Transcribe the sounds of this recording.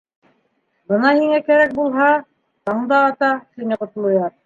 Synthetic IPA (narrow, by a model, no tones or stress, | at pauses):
bɤnɑhiŋækæɾæk̚bulˠɦɑ | t̪ɑɴd̪ɑːt̪ɑt̪inɘqŏt̪ŏlˠŏjɑɾ